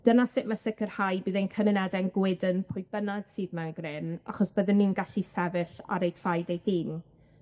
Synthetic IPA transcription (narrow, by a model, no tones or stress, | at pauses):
d̥ənasɪʔmasɪkʰərhajbɨːðenkʰənɪnɛdɛnɡwɪdənpʰʊjbənad̥sɨːdmanɡrɪna̰χɔsb̥əðɪnːinɡaɬisɛvɪɬa̰ɾejfajdejhiːn